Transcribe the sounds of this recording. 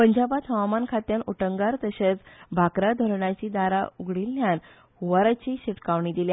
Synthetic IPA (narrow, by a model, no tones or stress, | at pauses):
pəɲd͡ʑabat̪həamankʰat̪janoʈəŋɡaɾt̪əɕet͡sbʱakɾad̪ʱəɾɳat͡ɕiːd̪aɾa̰uɡɽilːjan | huʋaɾat͡ɕiɕiʈkaʋɳid̪ilja